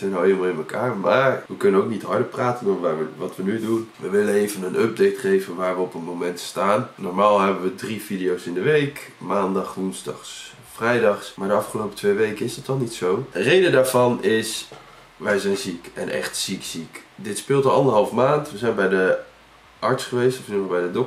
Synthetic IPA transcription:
zɛjnaleməlˠɪnməkʰaːɹmaːɹʋəkɵnənok̚nitɦɑɹdəpraːtənoʋaːɹʋəʋɑtʋənydunʋəʋɪlənejvənənʔɔb̚dejtχejvənʋaːɹʋəɔpənmomɛntstaːnːɔɹmaːlˠɦɛbənʋədrividijowsɪndəʋejkmaːndɑχʋunzdɑ̰χs | frɛjdɑχsmaːɹdəɑfχəlowpətʰʋejʋejkəɪsətɔχnitsowərejdədaːɹv̥ɑnɪs | ʋɛjzɛjnzikɛ̰nʔɛ̰χtsiksikdɪtspɪːlˠtəɑndəɹɦɑlˠfmaːntʋəzɛjnbɛjdə | ʔɑɹtsχəʋejstɔfsumbɛjdədɔk̚

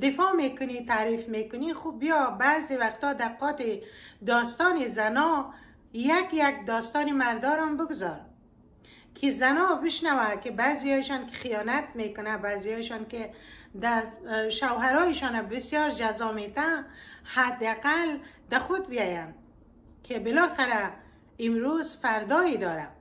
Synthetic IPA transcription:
d̪ɪfɔmekʊnit̪aːɾifmekʊnixubijɔbazewaxt̪ɔd̪aqɔt̪id̪ɔst̪ɔnizanɔ | jakjak̚d̪ɔst̪ɔnimaɾd̪ɔɾambʊɡʊzɔɾ | kʰizanɔbɪʃnawakebazijɔiʃɔnke̥xijɔnat̪̚mekʊnabazijɔjʃɔnked̪aʃawɦaɾɔiʃɔnabɪsjɔɾd͡ʒazɔmet̪ahad̪ɪaqald̪̥axʊd̪̚bijɔjan | kʰebɪlɔxɪɾa | ɪmɾuzfaɾd̪ɔed̪ɔɾa

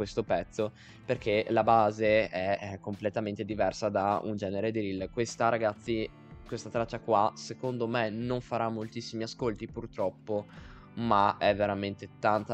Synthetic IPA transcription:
west̪opɛt̪sːo | perkʰelabaːzeɛkːomplet̪ament̪ed̪ivɛrsad̪aṵnd͡ʒɛːneɾed̪iɾilːkwest̪aɾaɡat̪sːi | kwest̪at̪ɾat͡ʃːakwasekond̪omenoɱfaɾamːolt̪isːimiaskolt̪ipurt̪ɾɔpːo | maɛvːeɾament̪et̪ant̪a

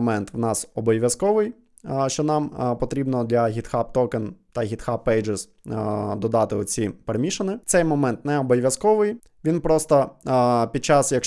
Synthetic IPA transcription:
mɛnt̪ʋnɑsɔbɔjʋʲjɐskɔʋɪj | ʃt͡ʃɔnɑmpɔt̪ɾʲibnɔd̪lʲɐɦʲit̪xɑp̚t̪ɔkent̪ɐɦʲit̪xɑpːɛjd͡ʒes | d̪ɔd̪ɑt̪ɪɔt͡sʲipeɾemʲiʃɐnɪt̪sɛjmɔmɛnt̪nɛɔbɔjʲʋʲjɐskɔʋɪj | ʋʲinpɾɔst̪ɐpʲid̪̚t͡ʃɑsjɐk

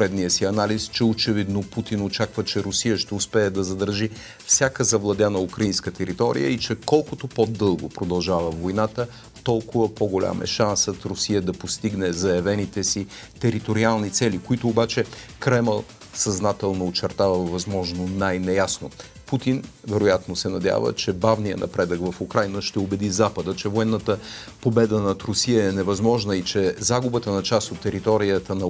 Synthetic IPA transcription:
ɛd̪nijəsiɐnalist͡ʃɛot͡ʃɛvid̪noput̪inot͡ʃakvət͡ʃɛɾʊsijəʃt̪ɛʊspɛːɛd̪ɐzɐd̪əɾʒi | fsʲjakəzɐvlˠɐd̪ʲjanəukɾɐinskət̪ɛɾit̪ɔɾḭjə̰it͡ʃɛkɔlˠkʊt̪opod̪ɤlˠɡopɾod̪ɐlˠʒavəvojnat̪ə | t̪ɔlˠkʊvəpoɡolʲa̰mɛ̰ʃansət̪ɾʊsijəd̪ɐpost̪iɡnɛzɐjɐvɛnit̪ɛsi | t̪ɛɾit̪oɾialˠnit̪sɛlikoit̪ʊːbat͡ʃɛkɾɛmɛlˠ | sɐznat̪ɛlˠnoːt͡ʃɛɾt̪avəvɐzmɔʒnonajnɛjasno̰ | put̪in | vɛɾojat̪nosɛnɐd̪ʲa̰və̰t͡ʃɛbavnijə̰nʔɐ̰pɾɛd̪əkvɐfʊkɾajnəʃt̪ɛobɛd̪izapəd̪ət͡ʃɛvoɛnːət̪ə | pobɛd̪ənɐt̪ɾʊsijəɛnɛvɐzmɔʒnəit͡ʃɛzaɡʊbət̪ənɐt͡ʃast̪ot̪ːɛɾit̪ɔɾijət̪ənɐ

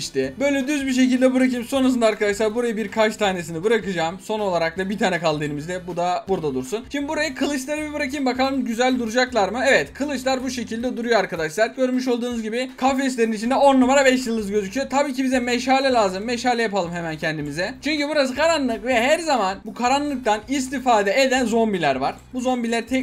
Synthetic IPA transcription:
ʃt̪ɪbø̞jlʲɛd̪yzbiʃ̬e̞cilʲd̪ɛbɯɾakʰɯjmso̞nɾas̬ɯnd̪aɾkad̪aʃlˠaɾbuɾajɯbiɾkʰat͡ʃt̪ʰaːne̞sinibɯɾakɯd͡ʒaːmso̞no̞lˠaɾak̚lˠabit̪ʰaːnɛkalˠd̪ɯːnɯmizd̪ɛbud̪abuɾd̪ad̪uɾsunt͡ʃʰimbibuɾajɯkʰɯlˠɯʃlˠaɾɯmibɯɾakʰɯjmbakʰalˠɯmɟyzælʲd̪uɾud͡ʒaklˠaɾmɯɛvɛt̪kʰɯlˠɯt͡ʃlˠaɾbuʃe̞cʰilʲd̪ɛd̪uɾujoaɾkʰad̪aʃlˠaɾɟø̞ɾmyʃ̬o̞lˠd̪uːnuzɟibɪkʰafeislʲe̞ɾinit͡ʃʰind̪ɛo̞numaɾabɛʃ̬jɯlˠɯzɟø̞zycʰyjot̪ʰabiːcʰibizɛmɛʃhaːlʲɛlʲaːzɯmːɛʃhaːlʲɛjapalˠɯmɦemæncʰɛnd̪imizɛt͡ʃʰyɲcybuɾas̬ɯkʰaɾanlˠɯkvɛɦæɾzamanbukʰaɾanlˠɯk̚t̪ʰanist̪ifaːd̪ɛed̪ænzo̞mbilʲæɾvaɾ̥buzo̞mbilʲæɾt̪ʰɛ

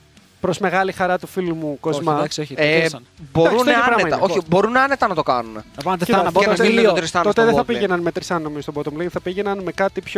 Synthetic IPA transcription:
pɾo̞zme̞ɣɐlixɐɾɐt̪ufilumukozmɐɐsoe | boɐɾust̪ooɐpɾɐnemit̪ɐnoibo̞ɾunɐnet̪ɐnɐt̪o̞kɐnuneɐɐɐɐlit̪ɾist̪ɐt̪ot̪eðeθɐpiʝenɐnmet̪ɾisɐnno̞mizost̪obot̪omlinθɐpiʝenɐnmekɐt̪ipço

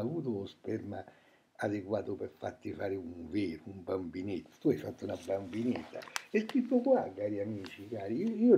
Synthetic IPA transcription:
avuːt̪̬ʊspɛɾma | ad̪ekwaːt̪ʊpeɾfːa̰t̪ːifaːɾɪuɱveːɾʊumbambinet̪ːḁt̪uajfat̪ːunabːambinet̪ːa̰ɛskɾit̪ːʊkwakːaːɾiamiːt͡ʃikaːɾiiːo

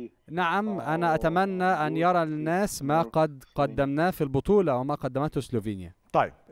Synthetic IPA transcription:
naʕamʔanæʔæt̪amænːæʔanjɑɾˤɑlɪnːæːsmaːqɑd̪qɑd̪ːamnæːfilbʊt̪ˤuːlɑwɪmæːqɑd̪ːæmæt̪hʊsloːviːnja̰t̪ˤɑjːb̥̚

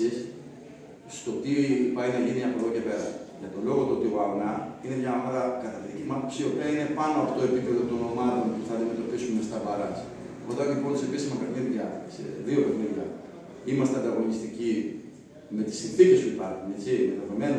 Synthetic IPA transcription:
is | st̪o̞t̪ipɐinɐʝiniɐpoðoce̞pe̞ɾɐʝɐt̪o̞lo̞ɣo̞t̪uot̪ioɐvnɐinemɲɐomɐðɐkɐt̪ɐðicimɐposiopeɐine̞pɐnoɐft̪ooepipeðo̞t̪ono̞mɐt̪o̞npuθɐɐnd̪ime̞t̪o̞pisumest̪ɐbɐɾɐs | oðɐlipo̞nse̞pisimɐpeɣniðɐsḛðio̞peɣniðjɐ̰ | imɐst̪eɐnd̪ɐɣo̞nist̪ici | me̞t̪i̥sːinθice̞spuipɐɾxunet͡simet̪ɐvemen

